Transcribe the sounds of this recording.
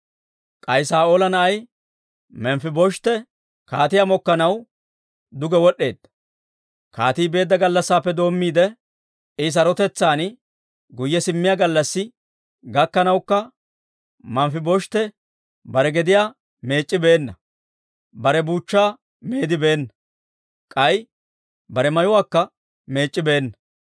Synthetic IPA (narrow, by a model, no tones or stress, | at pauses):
kʼɐjsaːoːlɐnɐɐj | mɛmfɪbɔʃt̪ɛ | kaːt̪ɪjamɔkːɐnɐw | d̪ʊɡɛwɔɗe̞ːd̪ːɐ̥ | kaːt̪iːbe̞ːd̪ːɐɡɐlːɐsːaːpːɛd̪o̞ːmːiːd̪ɛ | ɪs̬ɐɾɔt̪ɛt͡sːaːn | ɡʊjːɛsɪmːɪjaːɡɐlːɐsːɪ | ɡɐkːɐnɐwkːɐ | mɐmfɪbɔʃt̪ɛ | bɐɾɛɡɛd̪ɪjaː | me̞ːt͡ʃʼːɪbe̞ːnːɐ | bɐɾɛbuːt͡ʃːaː | meːd̪ɪbe̞ːnːɐ | kʼɐj | bɐɾɛmɐjʊwaːkːɐ | me̞ːt͡ʃʼːɪbe̞ːnːɐ